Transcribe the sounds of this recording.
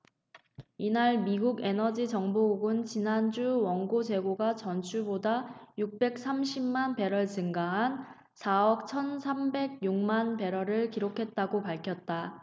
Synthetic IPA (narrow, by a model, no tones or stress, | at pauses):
inaɭmiɡuɡe̞nʌd͡ʑit͡ɕʌŋboɡuɡɯnt͡ɕinand͡ʑuwʌŋɡod͡ʑe̞ɡoɡat͡ɕʌnt͡ɕʰubodajuk̚p͈e̞k̚s͈amɕʰimmanpe̞ɾʌɭt͡ɕɯŋɡaɦan | sʰaʌk̚t͡ɕʰʌnsʰambe̞ɡ̚juŋmanpe̞ɾʌɾɯɭkiɾokʰe̞t̚t͈aɡopaɭkʰjʌt̚t͈a